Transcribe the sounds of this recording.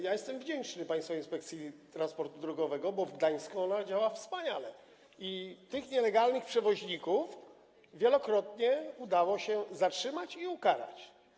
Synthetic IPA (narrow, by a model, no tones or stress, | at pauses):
jajɛst̪ɛmvd͡ʑɛnt͡ʂnɘpaj̃st̪fainspɛk̚t̪sʲjit̪ɾanspɔɾt̪ud̪ɾɔɡɔvɛɡɔbɔvɡd̪aj̃skuɔnad͡ʑawafspaɲalɛ | it̪ɘxɲɛlɛɡalnɘxpʂɛvɔʑɲikuf | vʲjɛlɔkɾɔt̪ɲɛud̪awɔɕɛzatʂɘmat͡ɕiukaɾa̰t͡ɕ